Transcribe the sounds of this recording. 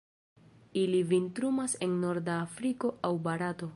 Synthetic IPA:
ilivintɾumase̞nːo̞ɾdaːfɾiko̞ʔawbaɾato̞

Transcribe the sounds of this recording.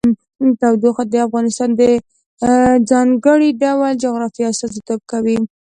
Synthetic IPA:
t̪awd̪oxad̪əafɣɑnɪst̪ɑnd̪ə | d͡zɑŋɡəɽiɖawld͡ʒʊɣɾɑfiast̪ɑzit̪ob̚kawi

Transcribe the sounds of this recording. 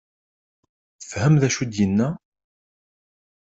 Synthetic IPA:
θəfhæmðæʃud̪jənːæ

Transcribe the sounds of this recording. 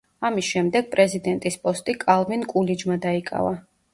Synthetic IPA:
amisʃɛmd̪ɛɡ̥̚pʼɾɛzid̪ɛnt̪ʼispʼɔst̪ʼikʼalˠminkʼulid͡ʒmad̪aikʼa̰va

